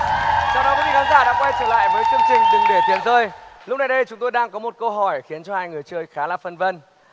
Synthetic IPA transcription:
t͡ɕa˧wŋ͡mɗɔ˨˦ki˨˦i˧˩kaː˨˦zaː˧˩ɗa̰ː˧˥ŋkwa˧jt͡ɕɨ˨˧˩ŋla̰ː˧˨jvəː˨˦jt͡ɕɨ˧əŋt͡ɕï˨˩ŋ̟t̪ɨ˨˩ŋɗe˧˩t̪wi˨˩ənzəː˧jlʊ˦˥k͡p̚na˨˩jɗə˧jt͡ɕʊ˨˦ŋ͡mt̪o˧jɗaː˧ŋkɔ˨˦mo˨˩t̚kə˧wɦɔ˧˩jxi˨˦ənt͡ɕɔ˧haː˧jŋɨ˨˩əjt͡ɕəː˧jxaː˨˦laː˨˩fə˧nvə˧n

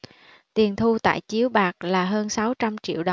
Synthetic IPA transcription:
t̪i˨˩ənt̪ʰu˧t̪a̰ː˧˨jt͡ɕi˨˦əwɓaː˨˩k̚laː˨˩ɦəː˧nsa˨˦wt͡ɕa˧mt͡ɕḭ˧˨əwɗ

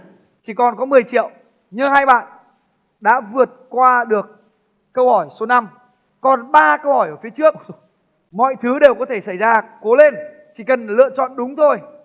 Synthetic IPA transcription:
t͡ɕi˧˩kɔ˨˩nkɔ˨˦mɨ˨˩əjt͡ɕḭ˧˨əw | ɲɨ˧ŋhaː˧jɓa̰ː˧˨n | ɗa̰ː˧˥vɨ˨˩ət̚kwaː˧ɗɨ˨˩ək̚ː | ə˧whɔ˧˩jso˨˦na˧m | kɔ˨˩nɓaː˧kə˧whɔ˧˩jʔəː˧˩fi˨˦ət͡ɕɨ˦˥ək̚ | mɔ̰˧˨jt̪ʰɨ˨˦ɗe˨˩wkɔ˨˦t̪ʰe˧˩sa˧˩jzaː˧ko˨˦le˧n | t͡ɕi˧˩kə˨˩nlɨ̰˧˨ət͡ɕɔ̰˧˨nɗʊ˨˦ŋ͡mt̪ʰo˧j

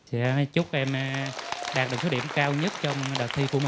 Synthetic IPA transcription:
sɛ̰˧˥t͡ɕʊ˦˥k͡p̚ʔɛ˧m | ɗaː˨˩t̚ɗɨ˨˩k̚so˦˥ɗi˧˩əmkaː˧wɲə˦˥t̚t͡ɕɔ˧wŋ͡mɗəː˨˩k̚t̪ʰi˧ku˧˩əmi˨˩

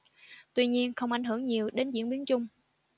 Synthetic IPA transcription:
t̪wi˧ɲi˧ənxə˧wŋ͡mʔa˧˩jɦɨ˧˩əŋɲi˨˩əwɗe˨˦nzḭ˧˥nɓi˨˦nt͡ɕʊ˧ŋ͡m

